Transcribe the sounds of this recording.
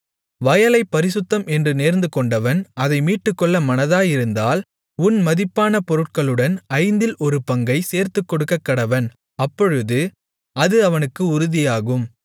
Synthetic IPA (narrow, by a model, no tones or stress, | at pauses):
ʋɐjɐlɐɪpːɐɾɪsɯt̪ːɐmʔɛndrɯneːɾnd̪ɯkɔɳɖɐʋɐnɐðɐɪmiːʈːɯkːɔɭːɐmɐnɐðaːjɪɾɯnd̪aːl | ʊnmɐðɪpːaːnɐpɔɾɯʈ̚kɐɭɯɽɐnɐɪnd̪ɪlɔɾɯpɐŋɡɐɪseːɾt̪ɯkːɔɽɯkːɐkːɐɽɐʋɐn | ɐpːɔɻɯðɯ | ɐðɯɐʋɐnɯkːɯʊɾʊðɪjaːɣɯm